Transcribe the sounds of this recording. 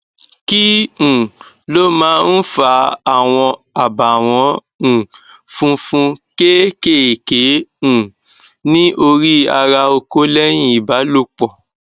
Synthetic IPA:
kĩ˦˨ | lo˦mãː˦n̩˦fa˧˦a˨w̃ɔ̃˧ | a˨ba˨w̃ɔ̃˧˦ | ũ˨fũ˧fũ˧ke˦ke˦˨ke˨˦ũ˨ | nĩ˦ʔo˧ɾi˦a˧ɾa˧o˧ko˦lɛ˦j̃ĩ˦˨i˨ba˨˦lo˦k͡pɔ˨

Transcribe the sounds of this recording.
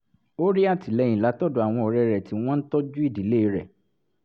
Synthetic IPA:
o˦ɾi˦a˦˨ti˨lɛ˨˧˦jĩ˨la˨˦tɔ˦˨do˨a˨w̃ɔ̃˧ɔ˨ɾɛ˧ɾɛ˨ti˨˦w̃ɔ̃˦n̩˦tɔ˦d͡ʒu˦i˦˨di˨˦le˦i˧˦ɾɛ̰˨

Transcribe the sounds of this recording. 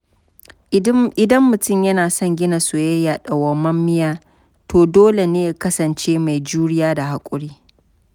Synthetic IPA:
ɪ˨dɐ˦mːʊ˨tʊ˦mjɐ˦naː˨sɔ˦˨ŋɡʲɪ˦na˨su˨jɐ˦ja˨ɗɐ˨wɐ˦mːɐ˦mːɪ˦jaː˦ | tʰoː˨doː˦le˨neː˦ja˨˦kɐ˦sɐ˨nt͡ʃeː˦ma˨jd͡ʒuː˦ɽɪ˦jaː˦da˨ha˨kʷʼʊ˦ɽiː˦

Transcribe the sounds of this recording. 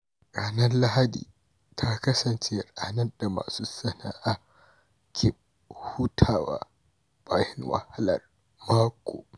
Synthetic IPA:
ɾaː˨nɐ˦nla˦ha˦dḭː˨ | tʰa˦kɐ˦sɐ˨nt͡ʃe˦ɽa̰ː˨nɐ˦da˨ma̰ː˨suː˦sɐ˦na˦ʔa˦ | kʲʰɪ˨b̚ | hu˦tʰaː˦˨wa̰˦˨ | b̥aː˦jɪ˦ŋwɐ̰˨ha˦lɐ̰˨r | maː˦kʷo̰ː˨

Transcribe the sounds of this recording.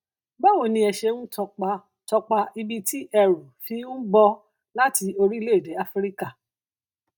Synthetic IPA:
ba˦wo˦˨nĩ˧ɛ˧ʃe˧wũ˦tɔ˧k͡pa˧ | tɔ˧k͡pa˧i˧bi˧ti˦ʔɛ˧ɾu˨fi˧˦ũ˦bɔ˧ | la˦ti˧o˧ɾi˦le˦i˦˨de˨˦a˦fɾi˦ka˦˨

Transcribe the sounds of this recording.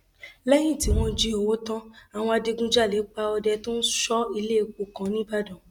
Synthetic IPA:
lɛ˦j̃ĩ˦˨ti˨˦w̃ɔ̃˧d͡ʒi˦o˨wo˦tã˦a˨w̃ɔ̃˧a˧de˧ɡũ˦d͡ʒa˦˨lɛ˨˦k͡pa˧ɔ˧dɛ˧tõ˦n̩˦ʃɔ˦i˧le˦˨k͡po˨˧kã˨˦nĩ˦ba˦dɔ̃˨

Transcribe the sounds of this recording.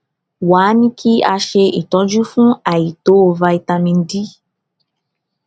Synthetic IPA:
waː˨˦nĩ˦kʰi˦a˧ʃe˧i˨tɔ˨˦d͡ʒu˦fũ˦a˨ji˨to˨˦o˧va˧i˨tã˧mĩ˧n̩˦di˦

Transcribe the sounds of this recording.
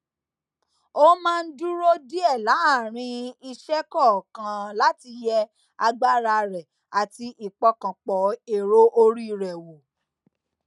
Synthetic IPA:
o˦mãː˦˧n̩˦du˦ɾo˦di˦ɛ˦˨la˨˦a˦˨ɾ̃ĩ˧i˧ʃɛ˦kɔ˦˨kã˨la˨˦ti˧jɛ˦ | a˧ɡ͡ba˦ɾa˧ɾɛ˨ | a˨ti˧ʔi˨k͡pɔ˧kã˨k͡pɔ˨e˨ɾo˦ʔo˧ɾi˦˨ɾɛ˨wo˨

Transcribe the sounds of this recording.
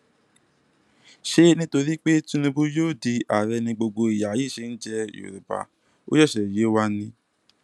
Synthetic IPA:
ʃe˧nĩ˦to˧ɾi˦k͡pe˦tũ˦nĩ˧bũ˦jo˦˨di˧a˨ɾɛ˧nĩ˧ɡ͡bo˧ɡ͡bo˧i˨ja˨jiː˦˨ʃe˧˦n̩˦d͡ʒɛ˧jo̰˨ɾu˨ba̰˨ | o̰˦jɔ˦˨ʃɛ˨je˨˦wa˦nĩ˧

